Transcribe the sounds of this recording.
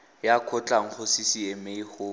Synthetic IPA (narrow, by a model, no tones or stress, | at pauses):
jakʰɔt͡ɬʼaŋ̩χʊsɪsiemeihʊ